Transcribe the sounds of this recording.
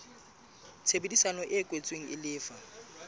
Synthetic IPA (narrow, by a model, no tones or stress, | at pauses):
t͡sʰebedisanɔʔɪkʼwet͡sʼweŋ̩ɪlɪːfa